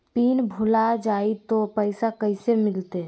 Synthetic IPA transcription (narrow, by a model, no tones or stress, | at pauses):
piːnbʱʊlad͡ʒaːit̪opəɪsakəɪsemɪlt̪e